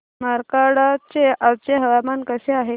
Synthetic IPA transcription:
maɾkaɽat͡seʔawt͡seɦəʋamankəseaɦe

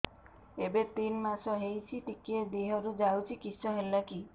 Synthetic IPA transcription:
ebet̪inmasɔɦejt͡ʃʰiʈikied̪iɦɔɾud͡ʒawt͡ʃʰikisɔɦelaki

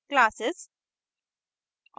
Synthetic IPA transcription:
klaːsɪz̥

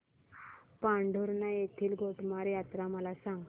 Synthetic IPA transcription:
pãɳɖʱoɾnajet̪ʰiːlɡʱoʈmaɾjat̪ɾaməlasãŋɡ

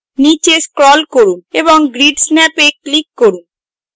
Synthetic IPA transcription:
nit͡ɕeskɾɔlkoɾuneboŋɡɾiɖsnɛpeklikːoɾun

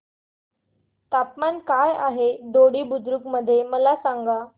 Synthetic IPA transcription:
t̪apmankajaɦeɖ̪oɽiːbud̪ɾukməd̪ʱːjeməlasaŋɡa

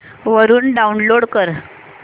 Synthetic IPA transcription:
ʋəɾuːnɖaunloɽkəɾ

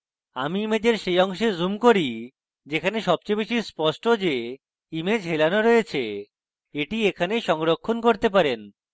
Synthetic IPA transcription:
amiimed͡ʑeɾʃejɔŋʃezumkoɾi | d͡ʑekʰaneʃɔb̚t͡ɕebeʃispɔʃʈod͡ʑe | imed͡ʑɦelanoɾoet͡ɕʰe | eʈiekʰaneʃɔŋɾokʰːonkoɾt̪ep̬aɾen

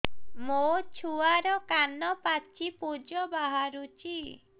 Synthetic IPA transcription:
mot͡ʃʰuaɾɔkanɔpat͡ʃʰipud͡ʒɔbaɦaɾut͡ʃʰi

